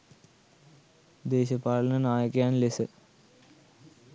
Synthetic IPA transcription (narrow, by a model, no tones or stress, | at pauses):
d̪eːɕɐpaːlɐnɐnaːjɐkːjaːnlesɨ